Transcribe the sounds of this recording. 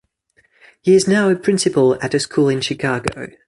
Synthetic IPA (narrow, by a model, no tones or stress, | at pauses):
hiɪznaʊəpʰɹ̥ɪ̃nsɪpəlˠə̰təskʰuːlˠɪ̃nʃɪkʰɑːɡə̰ʊ